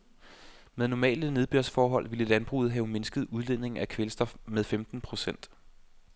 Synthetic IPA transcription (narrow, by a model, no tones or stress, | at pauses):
meðˠnɒmɛ̰ːləne̝ð̞ˠb̥yɐsfɒːɦɒ̽l̰ʋiləlænb̥ʁṵːð̩ˠɦɛʊme̝nsɡ̥əð̞̩ˠuð̞ˠlen̰e̝ŋ̩ækʰʋelsd̥ɒ̽fmeðˠfemd̥n̩pʰʁo̝sen̰d̥